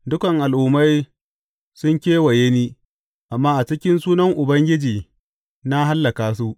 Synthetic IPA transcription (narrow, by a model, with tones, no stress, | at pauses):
dʊ˦kɐ˨ŋʔa˨lʔʊ˦ma˦j | sʊ˦ŋkʲeː˦wɐ˨je˦niː˦ | ʔa˨mːaː˦ʔa˨t͡ʃɪ˦kʲɪ˦nsuː˦nɐ˦ŋʔʊ˨bɐ˦ŋɡʲɪ˦d͡ʒiː˨ | na˦ɦa˦lːɐ˨kaː˦s̬u˦ʔ